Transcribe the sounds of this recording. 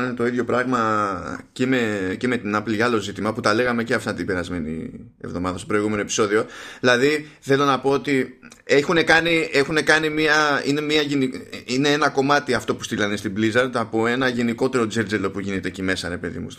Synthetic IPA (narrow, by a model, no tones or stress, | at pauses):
net̪o̞iðʝjo̞pɾɐɣmɐcemeceme̞t̪inɐpliɐlo̞zit̪imɐput̪ɐle̞ɣɐme̞ceɐft̪ɐt̪ibeɾɐzme̞nḭḛvðo̞mɐðɐst̪opɾo̞iɣumenoe̞pi̥so̞ðio̞ðilɐðiθe̞lo̞nɐpo̞ot̪ie̞xune̞kɐnie̞xune̞kɐnimiɐine̞miɐʝeniine̞enɐko̞mɐt̪iɐft̪o̞pu̥st̪ilɐnest̪iblizɐɾd̪ɐpo̞e̞nɐʝe̞niko̞t̪e̞ɾo̞d͡zeɾd͡zelo̞puʝine̞t̪e̞cime̞sɐɾe̞pe̞ðḭmṵs